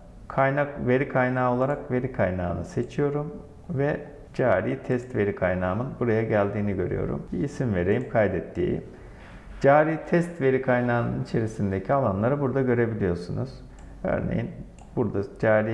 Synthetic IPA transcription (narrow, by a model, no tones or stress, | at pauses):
kʰajnakve̞ɾikʰajnaːo̞lˠaɾakve̞ɾikʰajnaːnɯse̞t͡ʃʰijo̞ɾum | vɛ | d͡ʒaːɾiːt̪ʰɛst̪ve̞ɾikʰajnaːmɯnbuɾajaɟælʲd̪iːniɟø̞̰ɾy̰jo̞̰ɾṵmciːsimve̞ɾejimkʰajd̪ɛt̪ːḭː | d͡ʒaːɾiːt̪ʰɛst̪ve̞ɾikʰajnaːnɯnit͡ʃʰe̞ɾisind̪e̞cʰialˠanlˠaɾɯbuɾd̪aɟø̞ɾe̞bilʲijo̞ɾsunuz̥ | ø̰ɾnḛjin | buɾd̪ad͡ʒaːɾi